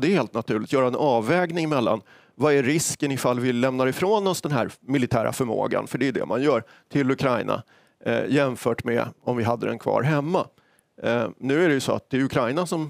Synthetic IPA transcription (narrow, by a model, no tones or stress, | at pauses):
d̪ɛheːlt̪̚nat̪ʰʉ̟ːɭɪkt̪jœːɾaɛnʔɑːvːɛːɡnɪŋɪmɛlːa̰n | vaæɾɪskənɪfalːvɪlɛmnaɾɪfɾoːnɔsd̪ɛnɦæ̰ːɾmɪlɪt̪ʰæːɾʔa̰fœɾmo̰ːɡa̰nfœɖɛjɵd̪ɛ̰mʔa̰njœːɾ | t̪ʰɪlɵkʰɾajnʔa̰ | jɛmfœːʈmɛ̰ɔmvɪɦad̪ːəd̪ɛ̰nkʰvɑ̰ːɾɦɛmːa | nʉ̟ːæɖɛjɵsɔa̰t̪̚d̪̥ɛːjɵɵkʰɾajnasɔm